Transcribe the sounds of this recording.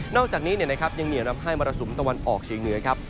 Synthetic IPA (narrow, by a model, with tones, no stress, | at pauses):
nɔː˥˩k̚t͡ɕaː˨˩k̚niː˦˥ni˥˩ɐna˦˥kʰa˦˥p̚ja˧ŋni˨˩ɐwna˦˥p̚ɦaː˥˩jmɔː˧ɾa˧su˩˦mt̪a˧wa˧nʔɔː˨˩k̚t͡ɕʰiː˩˦ŋnɯ˧˦ɐkʰa˦˥p̚